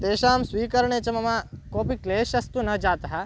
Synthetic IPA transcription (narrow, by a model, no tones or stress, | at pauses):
t̪eːʃaːmsʋiːkɐɾɐɳeːt͡ʃɐmɐmakoːpikleːʃɐst̪unɐd͡ʒaːt̪ɐɦɐ